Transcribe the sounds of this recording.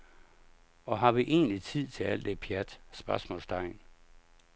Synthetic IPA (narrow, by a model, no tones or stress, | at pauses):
ɒ̽ɦɑ̈ʋiʔe̝̰ːnlit͡sʰið̰ˠt͡sʰe̝æl̰d̥epʰjæd̥sb̥ɶɐsmɔ̰lsd̥ʰɑ̈ɪ̰n